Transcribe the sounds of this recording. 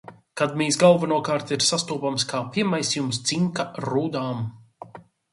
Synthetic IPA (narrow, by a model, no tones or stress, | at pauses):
kad̪̚miːsɡalˠvanuɔkaːɾt̪iɾsast̪uːpamskaːpʲimajsjumst̪siŋkaɾuːd̪aːm